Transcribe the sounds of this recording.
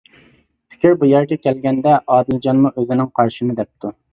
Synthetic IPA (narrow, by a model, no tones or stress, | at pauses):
pʰɪ̥kʲʰiɾbujɛɾɡʲɛkʲʰɛlɡʲɛnd̪ɛʔɑːd̪ɨld͡ʒɑnmuʔøzɪnɪŋqʰɑɾʃinɨd̪ɛp̚t̪ʰu